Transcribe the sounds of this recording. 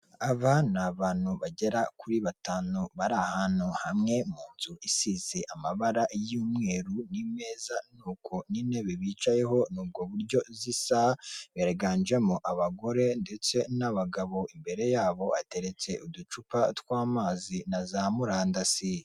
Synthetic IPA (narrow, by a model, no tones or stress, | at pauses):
aβanaβaːnhuβaɟe̞ɾakuɾiβataːnoβaɾahanhuhamŋe̞muːnzuʔisize̞ʔamaβaɾajiːmŋe̞ːɾunime̞ːzanuːkʰo̞nine̞βeβit͡ʃaje̞ɦo̞nuːb̚ɡo̞βuɾɟo̞zisaβeɾaɡand͡ʒe̞moʔaβaɡo̞ɾe̞nde̞t͡se̞naβaɡaβo̞ʔimbe̞ɾe̞jaːβo̞ate̞ɾe̞t͡se̞ʔudut͡ʃupatwaːmaːzinazaːmuɾaːndasi